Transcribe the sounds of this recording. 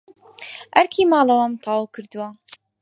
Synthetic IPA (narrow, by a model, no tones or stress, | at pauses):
ʔæɾkʰiːmɑːlɐwɐmt̪ʰɑːwkʰɨɾd̪ɨwa